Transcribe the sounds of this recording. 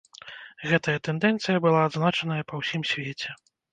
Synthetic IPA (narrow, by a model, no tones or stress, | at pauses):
ɣɛt̪ɐjɐt̪ɛnd̪ɛnt̪sɨjɐbɨlˠaːd̪znat͡ʂɐnɐjɐpɐwsʲimsʲvʲet͡sʲɛ